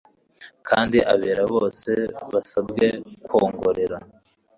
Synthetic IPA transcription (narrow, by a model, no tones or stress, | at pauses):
kʰaːndiʔaβeːɾaβo̞ːse̞βasabɡe̞kwo̞ːŋɡo̞ɾe̞ɾa